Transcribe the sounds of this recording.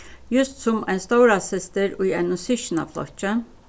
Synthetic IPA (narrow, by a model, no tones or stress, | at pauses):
jʉst̪sʊmæɪnst̪oʊɾɑsɪst̪əɾʉːæɪnʊsɪʃnɑ̰ʋflɔ̰çə